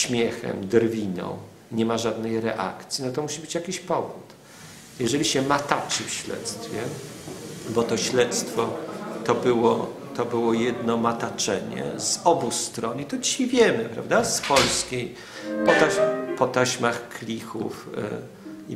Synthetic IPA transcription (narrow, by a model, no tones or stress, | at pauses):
ɕmʲjɛxɛ̰md̪ɾvʲinɔ̰̃w̃ | ɲɛmaʐad̪nɛjɾɛʔa̰kt̪sʲjinɔt̪ɔmuɕibɘt͡ɕjakʲiɕpɔvut̪ | jɛʐɛlʲiɕɛmat̪at͡ʂɘfɕlɛ̰t̪st̪fʲjɛ | bɔt̪ɔɕlɛt̪st̪fɔt̪ɔbɘwɔ | t̪ɔbɘwɔjɛd̪nɔmat̪at͡ʂɛɲɛ̰zɔbust̪ɾɔnit̪ɔd͡ʑiɕejvʲjɛmɘpɾa̰vd̪aspɔlskʲej | pɔt̪apɔt̪aɕmaxklʲixṵf | i